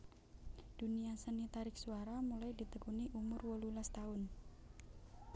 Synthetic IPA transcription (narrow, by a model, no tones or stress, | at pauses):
d̪̥uniasənit̪aɾɪksuaɾamulaidi̤t̪əkuniʔumʊrwɔlulast̪aʊn